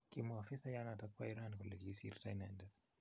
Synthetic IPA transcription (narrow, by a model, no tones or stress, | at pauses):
kimuafisajanatakwaiɾankɔlɛd͡ʒisirtajnandɛɾ